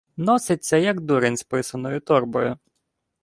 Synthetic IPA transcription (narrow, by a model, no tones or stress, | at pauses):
nɔsɪt͡sʲːɐjɐɡd̪uɾɪnʲspɪsɐnɔjʊt̪ɔrbɔjʊ